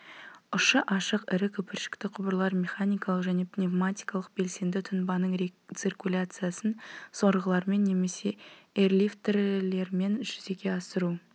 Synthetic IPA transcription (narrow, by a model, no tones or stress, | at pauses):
ʊʃəʔɑʃəqɪɾɪkʲʰɵpɪɾʃɪ̥kt̪ɪqʰʊbəɾlˠɑɾmʲe̞χanʲijkalˠəqʒæne̞pnʲevmat̪ʲijkalˠəq̚be̞lse̞nd̪ɪt̪ʰʊnbɑnəɴt̪sirkulʲat̪sɨjasənso̞ɾʁəlˠɑɾme̞nːe̞me̞se̞erlʲift̪erle̞ɾme̞nʒʏze̞ɡʲe̞ɑsəɾu